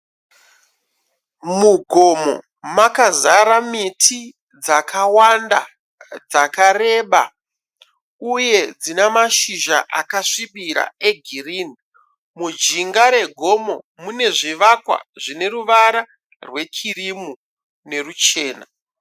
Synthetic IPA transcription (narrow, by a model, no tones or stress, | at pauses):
muɡʱo̞mo̰ | makazaɾamitʰi | d͡zakawanda̰ | d͡zakare̞ɓa̰ | uje̞d͡zinemaʃiʒa̰ʔakaʂiɓiɾa̰e̞ɡʱirini | mud͡ʒiŋɡaɾe̞ɡʱo̞mo̞ | mune̞ʐiʋakwa̰ʐine̞ruʋaɾa | rwe̞kirimu | ne̞rut͡ʃe̞ːna̰